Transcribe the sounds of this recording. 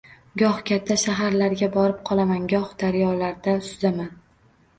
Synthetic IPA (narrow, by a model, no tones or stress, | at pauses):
ɡɒhkʲʰat̪ʰːaʃaɦaɾlaɾɡʲabɒɾɪp̚qʰɒlˠamanɡɒhd̪aɾjɒlaɾd̪asʊzaman